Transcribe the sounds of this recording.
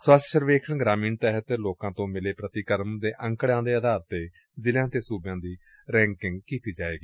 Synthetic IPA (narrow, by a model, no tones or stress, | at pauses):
səsʃəɾʋeːkʰəɳɡɾaːmiːnt̪ɛːɦət̪loːkãːt̪õːmɪleːpɾət̪iːkəɾmd̪eːʔəŋkɽjãːd̪eːəd̪ʱaːɾt̪eː | zɪljãːt̪eːsuːbjãːd̪iː | ɾɛ̃ːŋkɪŋɡkiːt̪iːd͡ʒaːḛːɡiː